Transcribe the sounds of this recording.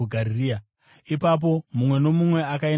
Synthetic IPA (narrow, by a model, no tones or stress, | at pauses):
uɡʱariria | ipap̬o̞mumwe̞no̞mumwe̞akai